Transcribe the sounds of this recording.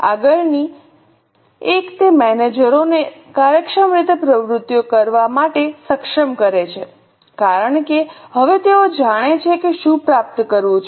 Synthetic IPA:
a̰ɡəɭni | ekt̪emɛned͡ʒəɾonekaɾjəkʃəmɾit̪epɾəʋɾʊt̪ːjokəɾʋamaʈesəkʃəmkəɾet͡ʃʰe | kaɾəɳkeɦəʋet̪eod͡ʒaɽ̃et͡ʃʰekeʃũpɾap̚t̪kəɾʋũt͡ʃʰ

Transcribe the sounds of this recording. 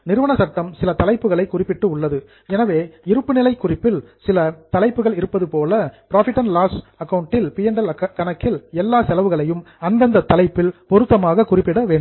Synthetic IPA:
nɪɾɯʋɐɳɐsɐʈ̪ːɐmsɪlɐt̪ɐlɐɪpːɯɣɐɭɐɪkʊrɪpːɪʈːɯʊɭːɐðɯ | ɛnɐʋeːɪɾɯpːɯnɪlɐɪkːʊrɪpːɪlsɪlɐt̪ɐlɐɪpːɯɣɐɭɪɾɯpːɐðɯpoːlɐpɪɾaːfɪʈːɐnlaːs | ɐkːɐʋʊɳʈːɪlpɪjɐɳɖɐlkɐnɐkːɪlɛlːaːsɛlɐʋɯɣɐɭɐjɯm | ɐnd̪ɐnd̪ɐt̪ːɐlɐɪpːɪlpɔɾɯt̪ːɐmaːɣɐkʊrɪpːɪɽɐʋeːɳɖɯm

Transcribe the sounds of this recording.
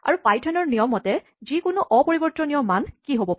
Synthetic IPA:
a̰ɹupajtʰanɔɹnijɔmːɔtɛ | zikʊnʊʔɔpoɹibɔɹtɔnijɔmːankiɦobɔp

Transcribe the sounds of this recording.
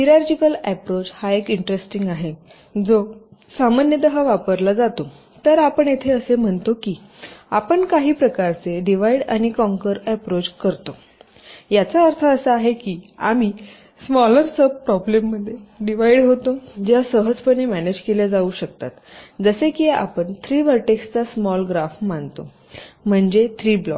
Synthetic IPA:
hiɾaɾd͡ʑikəlæpɾot͡shaekiɳʈɾesʈiŋɡaɦe | d͡zosamanjəd̪əɦaʋapəɾlad͡zat̪o | t̪əɾapəɳjet̪ʰeəsem̤əɳt̪okiː | apəɳkaɦiːpɾəkaɾt͡seɖiʋaiɽa̰ñikɔ̃ŋkəɾæpɾot͡skəɾt̪o | jat͡saəɾt̪ʰəəsəaɦekiːa̰mi | smɔləɾsəbpɾɔblemːəd̪ʱːjeɖiʋaiɽɦot̪od͡ʑjasəɦəd͡zpəɳemæned͡ʑkeljad͡zauɕəkt̪at̪d͡zəsekia̰pəɳt̪ʰɾiːʋəɾʈekst͡sasmɔlɡɾafmant̪o | m̤əɳd͡zet̪ʰɾiːblɔ̰k

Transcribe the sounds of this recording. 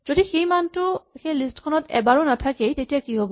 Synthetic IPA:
zodixejmantʊxejlistkʰɔnɔtɛ̰baɹɔnatʰakejtetijakiɦobɔ

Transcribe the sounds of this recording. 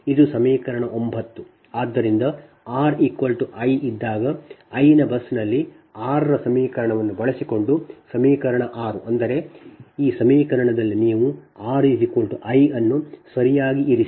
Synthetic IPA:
id̪usɐmiːkɐɾɐɳɐʔo̞mbʱɐt̪ːu | aːd̪ːɐɾind̪ɐ | aːɾikʋɐlʈuʔɐjid̪ːaːɡɐɐjinɐbɐsːnɐlːi | aːɾɐɾɐsɐmiːkɐɾɐɳɐʋɐnːubɐɭɐsiko̞ɳɖusɐmiːkɐɾɐɳɐʔaːɾuʔɐnd̪ɐɾe̞iːsɐmiːkɐɾɐɳɐd̪ɐlːiniːʋuaːɾisikʋɐɭʈuʔɐjɐnːusɐɾijaːɡiiɾi

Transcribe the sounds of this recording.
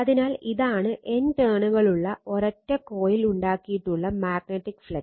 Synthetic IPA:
ɐðinaːliðaːɳɨʔe̞nʈeːɳuɣɐɭuɭːɐʔoɾɐtːɐkoːjiluɳɖaːkːijiʈːuɭːɐmaːɡ̚neʈːikːfɭɐ

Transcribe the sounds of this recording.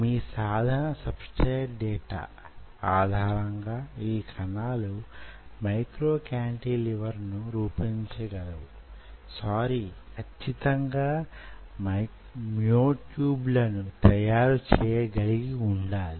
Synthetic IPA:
miːsaːd̪ʱɐnɐsɐbskɐjʈɖɛːʈa̰ː | aːd̪ʱaːɾɐŋɡaːiːkʰɐnaːlumɐjkɾoːkjaːɳʈiːliʋɐɾnuɾuːpiɲt͡ʃɐɡɐlɐwu | saːɾikʰɐt͡ʃːʰit̪ɐŋɡaːmɐ | mjoːʈjuːblɐnut̪ɐjaːɾut͡ʃɛːjeɡɐliɡiuɳɖaːli

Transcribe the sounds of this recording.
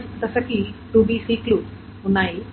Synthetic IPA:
st̪əsəkiʈubʱisikluː | ɦunai

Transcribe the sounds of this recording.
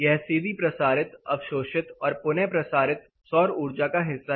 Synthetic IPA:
jɛɦsiːd̪ʱipɾɐsaːɾɪt̪ɐ̰ʋʃoːʃɪt̪ɔːɾpʊnepɾɐsaːɾɪt̪̚ | sɔːɾuːɾd͡ʒakaɦɪsːa

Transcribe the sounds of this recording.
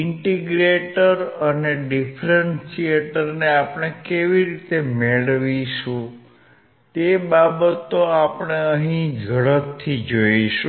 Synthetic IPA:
ɪɳʈiɡɾeʈəɾəneɖifʰɾənsieʈəɾneapəɽ̃ekeʋiɾit̪emeɭʋiʃũ | t̪ebabət̪ːoapɳ̃eəɦĩd͡ʒʱəɭət̪ʰːid͡ʒoiʃũ

